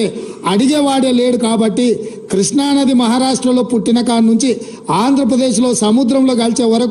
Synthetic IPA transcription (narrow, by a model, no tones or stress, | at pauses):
ɐɽid͡ʒeːʋaːɽeːleːɽukaːbɐʈːikɾiʂɳaːnɐd̪imɐɦaːɾaːʂʈɾɐlo̞ːpuʈːinɐkaːnnːuɲt͡ʃi | aːnd̪ʱɾɐp̬ɾɐd̪e̞ːʃlo̞ːsɐmud̪ɾɐmlo̞ːɡɐlit͡ʃeːʋɐɾɐk